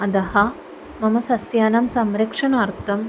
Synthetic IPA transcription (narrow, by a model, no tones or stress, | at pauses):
ɐd̪ɐɦɐ | mɐmɐsɐsjaːnɐmsɐmɾɐkʂɐɳaːɾt̪ʰɐm